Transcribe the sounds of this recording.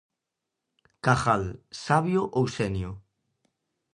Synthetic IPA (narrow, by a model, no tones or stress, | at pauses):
kaχalsaβjoʔowsenjo